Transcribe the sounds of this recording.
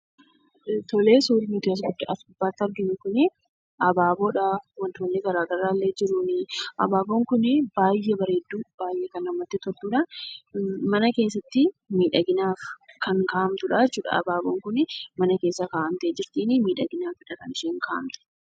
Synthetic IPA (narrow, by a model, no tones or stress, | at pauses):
t̪ɔleːsuːɾɪmːt̪ʊɐs̬ɡʊd̪ːɐɐbaːt̪ːɐɾɡɪmʊkʊnɪ | ʔɐbaːboːᶑɐwɐnt̪oːnːɪɡɐɾaːɡɐɾaːlːeːd͡ʒɪɾunɪʔɐ̰baːboːŋkʊnɪbaːjːɛbɐɾeːd̪ːuːb̥aːjʔekɐnɐmːɐt̪ːɪt̪ɔɾt̪uːᶑɐ | mɐnɐke̞ːsːɐt̪ːɪmiːᶑɐɡɪnaːfkɐŋkaːʔɐmt̪ʊᶑa̰ːd͡ʒɛt͡ʃːuːᶑɐ̰ɐ̰baːboːŋkʊnɪmɐnɐke̞ːsːɐkaːʔɐmt̪ɐeːd͡ʒɪɾt̪iːnɪmiːᶑɐɡɪnaːfɪᶑɐkɐnɪʃeːŋkaːʔɐ̰mt̪ʊ̥